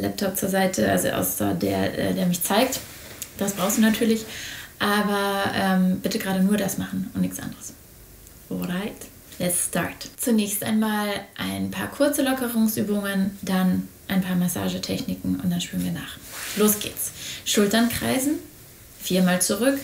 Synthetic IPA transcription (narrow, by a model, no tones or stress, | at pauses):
lɛ̰p̚tʰɔp̚t͡suːɐzaɪtʰəʔa̰lzo̰ʔa̰ʊsɐ̰dḛːɐʔɛ̰ːdeːɐmɪçt͡saɪk̚t | d̥asb̥ʁaʊxstd̥uːnatʰyːɐlɪçʔaːbɐʔɛmb̥ɪtəɡʁaːɾənuːɐdasmaχn̩ʊntnɪçtt͡sʔa̰ndəʁəs | oɾaɪt | lɛtsta̰ɹtt͡sunɛːçstʔa̰ɪnmaːlʔaɪnpʰa̰ːɐkʰʊɐt͡səlɔkəʁʊŋsʔyːbʊŋəndanʔaɪnpʰaːɐmasa̰ːʒətʰɛçnɪkŋ̩ʊ̰nt̚d̥anʃpyːənviːɐna̰ːχloːsɡ̥ḛːtsʃʊltɐnkʁ̥a̰ɪzn̩ | fiːɐmaːlt͡suʁʏk